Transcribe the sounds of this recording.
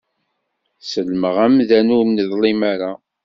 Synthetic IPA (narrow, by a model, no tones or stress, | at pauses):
səlməʁæmðænumnəðˤlimaɾa